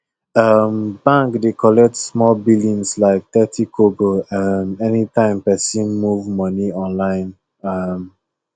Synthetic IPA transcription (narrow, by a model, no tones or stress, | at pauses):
ʌmbãŋkdekʰɔlɛk̚tsmɔlbilĩnslaɪk̚tɛtʰikʰoɡoʌmɛnitʰãɪ̃mpɛsĩnmuvmɔniɔ̃nlãɪ̃n | ʌm